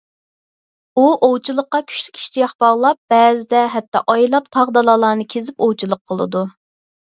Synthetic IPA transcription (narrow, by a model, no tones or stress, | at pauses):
uʔowt͡ʃʰilˠəqːɑkʲʰy̥ʃlykʲi̥ʃt̪ijɑχb̥ɑʁlˠɑp̚b̥ɛzɪd̪ɛɦɛt̪ːɑ̰ʔɑjlˠɑpt̪ʰɑʁd̪ɑlˠɑlˠɑːnɨkʲʰezɪpowt͡ʃʰilˠəqʰːəlˠɨ̰d̪u